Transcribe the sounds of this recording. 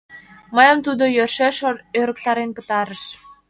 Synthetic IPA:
məjəmt̪ud̪ojørʃeʃøɾək̚t̪ɑɾenpət̪ɑɾəʃ

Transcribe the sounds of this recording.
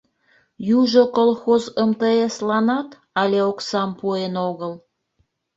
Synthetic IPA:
juʒokolˠxozemt̪əeslɑnɑt̪ | ɑlʲeoksɑmpuenoɣəl

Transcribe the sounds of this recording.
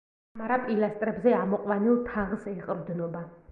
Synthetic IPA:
maɾapʼilast̪ʼɾɛbzɛamɔqʼwanilˠt̪ʰaʁsɛqʼɾd̪nɔba

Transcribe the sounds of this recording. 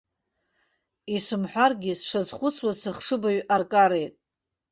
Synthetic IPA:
isɨmħʷᶣarɡʲisʂazχʷʊt͡sʰwazsɨχʂɨbaɥʔarkʼaɾe̞jtʼ

